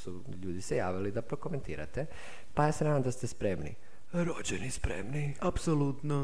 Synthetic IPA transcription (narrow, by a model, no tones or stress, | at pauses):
su | ʎuːd̪isejaːʋilid̪apɾo̞kome̞nt̪ḭːɾa̰t̪e | pajesɾemnod̪ast̪espɾemnḭ | ɾod͡ʑenispɾḛmni | apsolut̪no